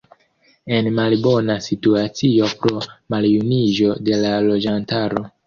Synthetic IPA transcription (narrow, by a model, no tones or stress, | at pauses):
e̞nmalbo̞nasituat͡sio̞pɾo̞maljunid͡ʒo̞de̞lalo̞d͡ʒantaɾo̞